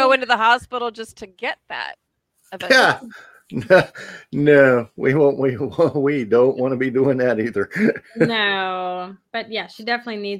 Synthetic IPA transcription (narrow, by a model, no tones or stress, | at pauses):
oʊɪ̃ntɨðəɦɑspɪɾl̩ˠd͡ʒʌstʰɨɡɛt̪̚ðæ̰t̚ | ɨvæ | nonoʊwḭwõʊ̃nʔwiwwidõʊ̃nʔwɑ̃nɨbiduɪ̃ŋðɨɾiðə˞noʊb̥ʌt̚jæʃidɛfənətˡlini